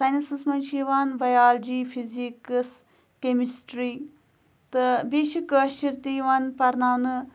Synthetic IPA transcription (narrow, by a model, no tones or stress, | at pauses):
sajnɐsɨsmɐnʃiʋanbɐjaːld͡ʒiːfʰiziks | kemisʈɾiː | t̪ɨbeːʃəkɐʃiɾt̪iːʋɐnpɐɾnaːʋnɨ